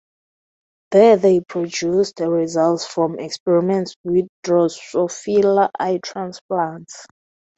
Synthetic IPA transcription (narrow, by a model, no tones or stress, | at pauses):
ðɛðejpʰɹ̥ɔd͡ʒustɹizaltsfɹɔ̃mɛkspɛɹimɛ̃ntswiðdɹɔsɔfilaʔajtʰɹãnspaaɹɛ̃nts